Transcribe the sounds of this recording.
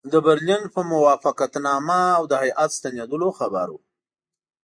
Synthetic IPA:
d̪əbɪɾlinpəmʊwɑfaqat̪nɑmaːwd̪əhajʔat̪st̪anjed̪əloxaba̰ɾu

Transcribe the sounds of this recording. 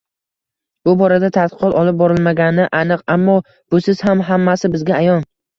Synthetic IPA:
b̥ʊbɒɾad̪at̪ʰat̪̚qɨ̥qʰɒt̪ɒlˠɪp̚bɒɾɪlˠmaɡʲanɪʔanɨqamːɒ | b̥ʊsɪz̥hamɦamːasɪbɪzɡʲaːjɒn

